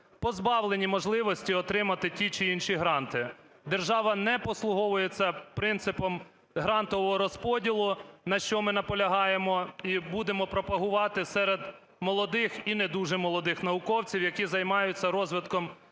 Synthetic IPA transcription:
pɔzbɑwlˠenʲimɔʒlˠɪʋɔsʲtʲiɔt̪ɾɪmɐt̪ɪtʲit͡ʃɪinʃiɦɾɑnt̪ɪ | d̪erʒɑʋɐnɛpɔslˠʊɦɔʋʊjet͡sʲːɐpɾɪnt̪sɪpɔm | ɦɾɑnt̪ɔʋɔɦɔɾɔspɔdʲilˠʊnɐʃt͡ʃɔmɪnɐpɔlʲɐɦɑjemɔibud̪emɔpɾɔpɐɦʊʋɑt̪ɪsɛɾed̪ | mɔlˠɔd̪ɪxinɛd̪uʒɛmɔlˠɔd̪ɪxnɐʋʊkɔwt͡sʲiwjɐkʲizɐjmɑjʊt͡sʲːɐɾɔzʋɪt̪kɔm

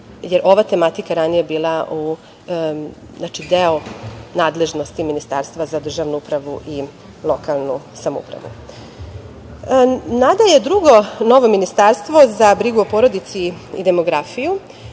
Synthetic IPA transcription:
jeɾʔo̞ʋat̪e̞mat̪ikaɾanijebiːlˠau | znat͡ʃid̪eonaːd̪le̞ʒno̞st̪iminist̪aːɾst̪vazad̪r̩ʒaːʋnuupɾaʋuʔi | lˠo̞kalˠnusamoṵpɾa̰ʋṵ | nad̪ajed̪ɾuɡo̞no̞ʋo̞minist̪aɾst̪ʋo̞zabɾiɡuopoɾo̞d̪it̪siḭd̪e̞mo̞ɡɾafiju

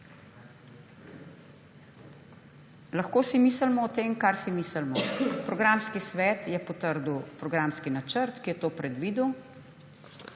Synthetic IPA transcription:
lɐxkoːsimiːsəlmɔːt̪eːmkaɾsimisəlmɔpɾɔɡɾamskisʋɛːt̪jɛpɔt̪əɾd̪uwpɾɔɡɾamskinat͡ʃəɾt̪kijɛt̪oːpɾɛd̪ʋiːd̪uw

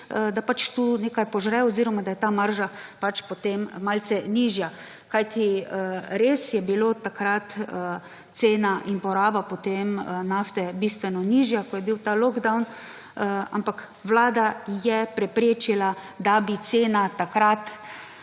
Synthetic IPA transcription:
d̪apat͡ʃt̪uneːkajpɔʒɾɛwɔziːɾɔmad̪ajɛt̪aːmaɾʒapat͡ʃpot̪emmalsɛniːʒja | kajt̪i | ɾesjɛbiloːt̪akɾat̪ | t̪seːnaʔinpɔɾaːbapot̪emnaft̪ɛbist̪ʋɛnɔniʒjakɔjɛbiwt̪alɔɡd̪awn | a̰mpak | ʋlaːd̪ajɛpɾɛpɾeːt͡ʃila | d̪abit̪seːnat̪akɾat̪

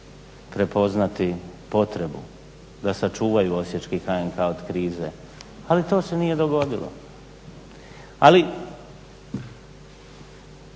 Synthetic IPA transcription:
pɾe̞po̞znat̪ipo̞t̪ɾe̞bṵ | d̪asat͡ʃuːʋajuo̞sjet͡ʃkixaeŋkʰaod̪kɾiːze̞ | alit̪o̞ːse̞nije̞d̪o̞ɡo̞d̪ilo̞̰ | ali

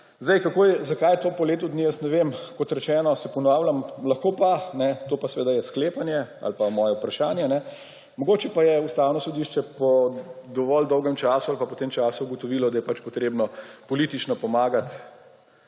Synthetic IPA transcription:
zd̪ɛjkakojzakajt̪oːpɔleːt̪ud̪nijəsnɛʋemkɔt̪ɾɛt͡ʃɛːnɔsɛpɔnawlʲamlɐxkoːpanɛt̪oːpasɛʋeːd̪ajɛskleːpanjɛa̰lpamɔːjɛupɾaʃaːnjɛnɛ | mɔɡoːt͡ʃɛpajɛust̪aːwnɔsɔd̪iːʃt͡ʃɛpɔd̪ɔʋɔld̪ɔwɡɛmt͡ʃaːsualpapɔt̪eːmt͡ʃaːsuuɡɔt̪ɔʋilɔd̪ajɛpat͡ʃpɔt̪ɾeːbnɔpɔliːt̪it͡ʃnɔpɔmaːɡat̪

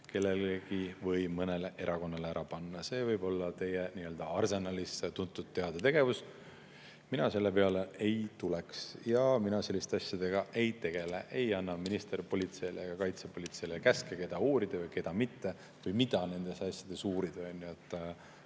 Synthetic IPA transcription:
ke̞lːe̞lɡivɤjmɤne̞leʔe̞ɾʔɑko̞nːɑleæɾʔɑpɑnːɑse̞ːvɤjbo̞lːɑt̪e̞jeniø̞ld̪̥ɑɑrse̞nɑlist̪unt̪ːˑut̪̚ːe̞ɑd̪̥ɑt̪e̞ɡ̥e̞vus | minɑse̞lːe̞pe̞ɑleejt̪uleksjɑminɑse̞lːist̪eɑsjɑd̪̥e̞ɡ̥ɑʔe̞jt̪e̞ɡ̥e̞leʔejɑnːɑminist̪e̞rpo̞lʲit̪se̞jleɡ̥ɑkɑjt̪sepo̞lʲit̪se̞jlekæskeke̞d̪̥ɑuːɾid̪̥ɑvɯjke̞d̪̥ɑmit̪ːe̞ | vɤjmid̪̥ɑne̞nd̪̥e̞sɑsjɑd̪̥e̞suːɾid̪̥eɑnʲːjuet̪ˑː

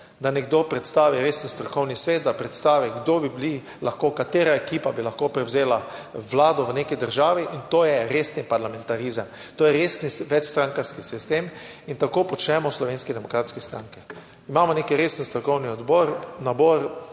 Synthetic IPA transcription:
d̪anɛɡd̪opɾɛt̪st̪aːʋiɾeːsən̩st̪ɾɔkɔwnisʋeːt̪̚d̪apɾɛt̪st̪aːʋiɡd̪obibli | laxkokat̪eːɾaekiːpabilaxkoːpɾɛwzeːlaʋlaːd̪ɔʋənekɛd̪əɾʒaːʋiʔint̪oːjɛɾesnipaɾlamɛ̃nt̪aɾizəm | t̪oːjɛɾesniʋɛt͡ʃst̪ɾaŋkaskisist̪em | int̪akoːpɔt͡ʃnɛmɔslɔʋeːnskɛd̪ɛmɔkɾaːt̪skɛst̪ɾaŋkɛ | imaːmɔneːkiɾeːsən̩st̪ɾɔkɔwniɔd̪bɔːɾnaboːɾ

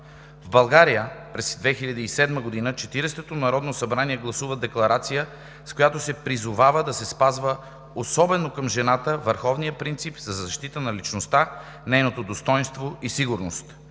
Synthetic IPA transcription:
vbɐlˠɡaɾijəpɾɛsd̪vɛxilʲɐd̪iːsɛd̪məɡod̪inət͡ʃɛt̪iɾɛst̪ot̪onɐɾɔd̪nosɐbɾaniɛɡlˠɐsuvəd̪ɛklˠɐɾat̪sijə | skojat̪osɛpɾizʊvavəd̪ɐsɛspazvə | osɔbɛnokəmʒɛnat̪əvəɾxɔvnijəpɾint̪sipzɐzɐʃt̪it̪ənɐlit͡ʃnost̪a | nɛjnot̪od̪ost̪ɔjnst̪voisiɡʊɾnost̪

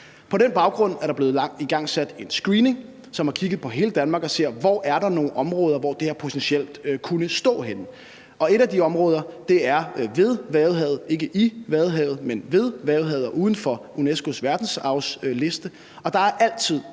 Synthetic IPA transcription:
pʰɒ̽ɾ̥enb̥ɑ̈ʊɡ̥ʁɔ̽n̰æɐɾ̥ɑb̥le̝ːð̩ˠŋiɡ̥ɑ̈ŋ̰sæd̥e̝nsɡ̥ʁiːne̝ŋ | sɒmhɑ̈kʰiɡ̥ð̩ˠpʰɒ̽ɦe̝ːləd̥ænmɑ̈ːɡ̥ɒ̽se̝ɐ̰ʋɒ̰ʔæɐɾ̥ɑ̈no̝ːnʔɒ̽mʁɔ̽ːð̞ˠɐʋɒd̥e̝æɐpʰo̝t͡sʰensiel̰d̥kʰunəsd̥ɔ̰̽ːɦenə | ʔɒ̽e̝ɾ̥æd̥iɒ̽mʁɔ̽ːð̞ˠɐd̥e̝æɐʋe̝ð̞ˠʋæːʊɦɛ̰ðˠe̝ɡ̥əʔiʋæðˠɦɛ̰ːʊð̞̩ˠmenʋe̝ð̞ˠʋæːʊðˠɦɛðˠɐʔuːð̞ˠn̩fɒ̽ | unesɡ̥o̝sʋæɐd̥n̩sɑ̈ʊsle̝sd̥ə | ɒ̽d̥ɑ̈æɐʔæl̰t͡sʰið̞̰ˠ

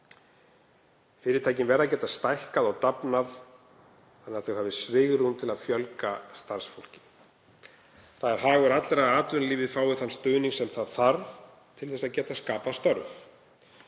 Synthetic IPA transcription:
fɪːɾɪt̪ʰaːjcɪnvɛːɾðaðcɛːt̪ast̪ajhkaðɔɣt̪apnað | anːaɾθœwhaːvðɪsvɪɣɾunt̪ʰɪlað̥fjœlkast̪aɾ̥sfowl̥cɪ̥ | θaðɛɾ̥ɦaːɣʏɾat̪lɛɾaðaːt̪ʏnliːvɪðfaːwɪθanːst̪œːniŋsɛmθaðθaɾv | t̪ʰɪlθɛsːaðcɛːt̪askaːpast̪œɾv

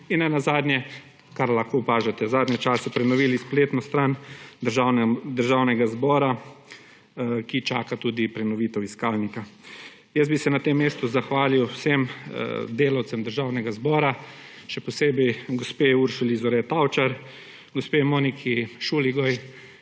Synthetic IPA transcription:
inɛnazaːd̪nʲjɛ | kaɾlaxkoːpaːʒɛt̪ɛzaːd̪nʲɛt͡ʃaːsɛpɾɛnɔʋiːlispleːt̪nɔst̪ɾand̪əɾʒawnɛd̪əɾʒaːwnɛɡazbɔːɾa | kit͡ʃaːkat̪ud̪ipɾɛnɔʋiːt̪ɛwiskaːlnika | jɛsbisɛnat̪emːeːst̪uzaxʋaːliwsem̰d̪eːlawt̪sɛmd̪əɾʒawnɛɡazbɔːɾa | ʃɛpɔseːbɛjɡɔspeuɾʃulizɔɾɛt̪awt͡ʃaɾ | ɡɔspemoːnikʰiʃuliɡɔj

